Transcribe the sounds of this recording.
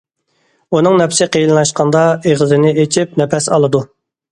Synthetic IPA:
unɨŋnɛpsɪqʰejlɨlɑʃqʰɑnd̪ɑeʁəzɪnɪet͡ʃʰip̚nɛpʰɛsɑlˠɨd̪u

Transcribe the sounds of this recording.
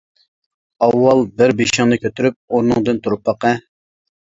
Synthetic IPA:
ɑwːɑlˠbɪɾbeʃɪŋnɨkʲʰøt̪yɾyp̚uɾnɨŋd̪ɨnt̪ʰuɾupːɑqɛ

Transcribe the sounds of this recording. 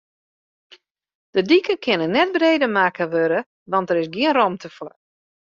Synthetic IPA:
d̥ədikəkʰɪnənːɛt̚breːdəmaːkəʋøɾə | ʋɑntəɾɪsɡiənrɔmtʰəfɔ

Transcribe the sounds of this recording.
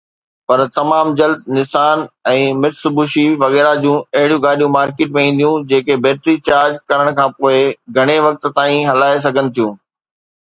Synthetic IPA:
pɐɾt̪ɐmaːmd͡ʑɐld̪̚nɪsaːnɛ̃ːmɪɾsʊbʱuʃiʋɐɣɛːɾad͡ʑũːɐɦɪɽijũɡaːɗijũmaːɾkeːʈmẽĩːn̆d̪ijũd͡ʑeːkebeːʈ̪ɾit͡ɕaːɾd͡ʑkɐɾəɽ̃kʰãːpoːɪɡʱɐɽ̃eʋɐk̚t̪t̪aːĩɦɐlaːes̬ɐɡʱənɪ̆t̪ʰijũː

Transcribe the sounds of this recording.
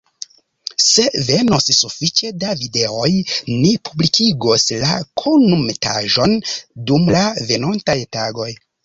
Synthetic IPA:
se̞ve̞nossufit͡ʃe̞davide̞o̞jnipʰublikʰiɡosla̰kʰonumeta̰ʒo̞ndumlave̞nontajtaɡo̞j

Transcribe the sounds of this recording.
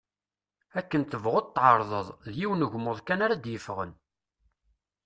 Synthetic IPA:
ækːənt̪əvʁod̪t̪ˤːʕəɾˤðˤəðˤðjiwnəʝmːʊðˤkænaɾad̪jəfʁə̰n

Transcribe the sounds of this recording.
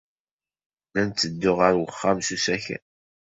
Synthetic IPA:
lænt͡s̪ːəd̪ːʊʁəɾwəχːamsusæçæ̰n

